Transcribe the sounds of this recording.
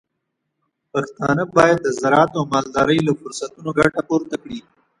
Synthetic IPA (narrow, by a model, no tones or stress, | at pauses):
paxt̪ɑ̰nəbɑjad̪̚ːəzaɾɑːt̪amɑːld̪ɑːɾəjlafʊɾsat̪unoɡaʈapoɾt̪akɽi